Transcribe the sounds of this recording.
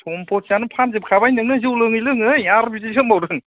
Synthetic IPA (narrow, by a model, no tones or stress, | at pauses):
tʰɔmpʰɔtʰijanɯpʰanzɯp̚kʰabajnɯŋnɯzɯwlɯŋɯjlɯŋɯaɾbiziɡʰɯmbawɾɯn